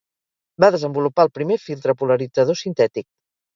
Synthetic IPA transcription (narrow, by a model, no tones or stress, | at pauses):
baðəzəmbulupaəlˠpɾimefilˠt̪ɾəpuləɾid͡zəð̞osint̪ɛt̪ik̚